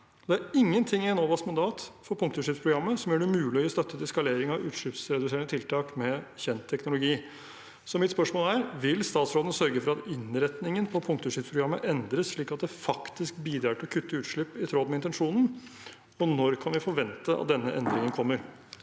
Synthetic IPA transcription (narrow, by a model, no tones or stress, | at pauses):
d̪ɛæɾɪŋːənt̪ʰɪŋːɪɛnoːʋɑsmɑnd̪ɑːt̪fɔɾpʰʊŋkt̪ʊʂɪpspʰɾʊɡɾɑmːəsɔmjœːɳʉmʉːlɪɔst̪œt̪ʰːət̪ɛskɑleːɾɪŋɑʋʉ̰ːt̪ʂɭɪpsɾɛd̪ʉseːəɳət̪ʰɪlt̪ʰɑːkmɛçɛnt̪ʰːɛknʊlʊɡiː | sɔmɪt̪spœʂmoːlæɾʋɪlst̪ɑːt̪sɾoːd̪ənəsœɾɡəfɔɾɑt̪ɪnɾɛt̪nɪŋənpʰɔpʰʊŋk̚t̪ʊʂɪpspʰɾʊɡɾɑmːəʔɛnd̪ɾəsʂɭiːkɑt̪̚d̪ɛfɑkt̪ɪskbiːd̪ɾɑːʈɔkʰʉt̪ːəʉːt̪ʂɭɪpːɪt̪ʰɾoːd̪mɛɪnt̪ɛnʂuːnən̩ | ɔnɔɾkʰɑnʋɪfɔɾʋɛnt̪əɑ̰t̪̚d̪ɛnːəʔɛnd̪ɾɪŋənkʰɔmːəɾ